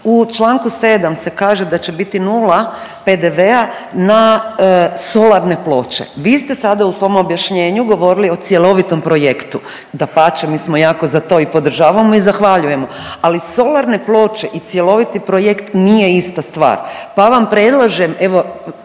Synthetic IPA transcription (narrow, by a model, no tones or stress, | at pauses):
ut͡ʃlˠaːŋkuse̞ːd̪amse̞kaːʒed̪at͡ʃe̞bit̪inuːlape̞d̪e̞ʋe̞a | na | so̞laɾne̞plˠo̞ːt͡ʃe̞̰ʋiːst̪e̞sad̪ausʋo̞mobjaʃɲe̞ːɲuɡo̞ʋo̞ɾilio̞t̪sje̞lˠo̞ʋit̪o̞mpɾo̞je̞kt̪u | d̪apat͡ʃemiːsmojaːko̞zat̪o̞ipo̞d̪r̩ʒaːʋamoizaxʋaʎuje̞mo | aliso̞lˠaɾne̞plˠo̞ːt͡ʃe̞ʔit̪sje̞lo̞ʋit̪ipɾojekt̪nije̞ist̪ast̪ʋa̰ːɾpaʋampɾe̞d̪lˠaʒeme̞ʋo̞